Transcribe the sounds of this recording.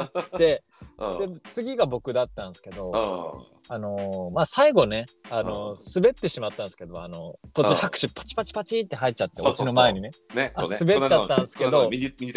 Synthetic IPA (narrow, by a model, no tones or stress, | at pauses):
d̪e | d̪e̞t͡sɨɡʲiɡabo̞kɯ̟d̪at̪ːãñsɨ̥ke̞d̪o̞ | ano̞maːsaiɡo̞ne̞ano̞sɨbe̞t̪ːe̞ɕimat̪ːãsɨ̥ke̞d̪o̞̰a̰no̞t̪ot͡ɕɨhakɯ̟ɕipʰːḁt͡ɕi̥pat͡ɕi̥pat͡ɕit̪ːe̞ɦait͡ɕat̪ːe̞o̰t͡ɕino̞mae̞ɲ̟ine̞asɨbe̞t͡ɕːat̪ːãsɨ̥ke̞d̪o̞